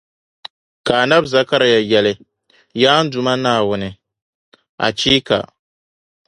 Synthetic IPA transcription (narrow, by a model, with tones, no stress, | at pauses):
ka˨a˨na˦bza˦ka˦ɾa˨ja˨jɛ˨lɨ˦ | jaː˦n̩˦dʊ˨ma˦naː˦˨wʊ˦nɨ˨ | a̰˨t͡ʃiː˦ka̰˨